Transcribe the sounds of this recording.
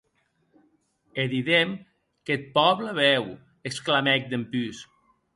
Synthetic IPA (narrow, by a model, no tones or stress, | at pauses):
eðiðem | ket̪̚pɔβləβɛw | eksklamɛk̚d̪empys